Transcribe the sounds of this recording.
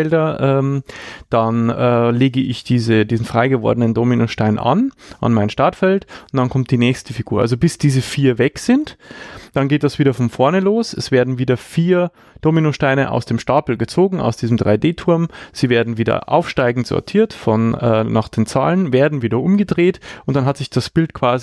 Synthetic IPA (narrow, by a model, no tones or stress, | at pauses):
ɛldɐʔɛːmd̥anɛːleːɡəʔɪçd̥iːzədiːzn̩fʁ̥aɪɡəvɔ̰ɐdənəndominoʃtaɪnʔa̰nʔa̰nmaɪnʃtaɐtfɛltʊntd̥ankʰɔmt̚d̥iːnɛːçstəfiɡ̥uːɐʔa̰lzobɪsd̥iːzəfiːɐvɛkz̥ɪntd̥anɡeːt̚d̥asv̥iːdɐfɔnfɔɐnəloːsɛsv̥eːɐdn̩viːdɐfiːɐ | d̥ominoʃtaɪnəʔa̰ʊsd̥eːmʃtaːpl̩ɡət͡soːɡŋ̩a̰ʊsd̥iːzm̩dʁaɪdeːtʰʊɐmz̥iːveːɐdn̩viːdɐ̰ʔa̰ʊfʃtaɪɡŋ̩tz̥ɔ̰ɐtʰiːɐtfɔnɛːnaːχd̥eːnt͡sa̰ːlənveːɐdn̩viːdɐʔʊmɡədʁeːtʔʊntd̥anɦatz̥ɪçd̥asb̥ɪltkʰv̥aːzi